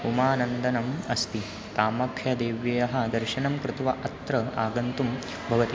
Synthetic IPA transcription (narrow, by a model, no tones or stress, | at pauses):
umaːnɐnd̪ɐnɐmɐst̪i | t̪aːmɐkʰjɐd̪eːʋjɐjɐɦɐ̆d̪ɐɾʃɐnɐmkɾɪt̪ʋɐʔɐt̪ɾɐa̰ːɡɐnt̪um | bʱɐʋɐt̪i